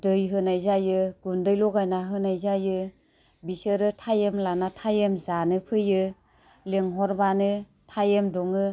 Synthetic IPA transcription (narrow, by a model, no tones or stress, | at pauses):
dɯjɦɯnajzajɯɡ̥undɯjlɔɡajnaɦɯnajzajɯ | bisɯɾɯtʰajemlanatʰajemzanɯpʰɯjɯ | leŋɦɔɾbanɯ | tʰajemdɔŋɯ